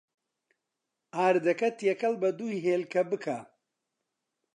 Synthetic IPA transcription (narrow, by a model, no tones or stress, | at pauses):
aːɾd̪ɐkɐt̪jɛkɐlbɐd̪ujɦeːlkʰɐbɨkʰaː